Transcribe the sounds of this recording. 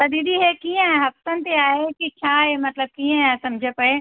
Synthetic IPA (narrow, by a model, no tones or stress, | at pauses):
t̪ɐd̪iːd̪iɦekiːẽɦɐft̪ənt̪eaːɦekit͡ʃʰaːɦemɐt̪ləb̚kiːẽãsɐmd͡ʒʱepɐe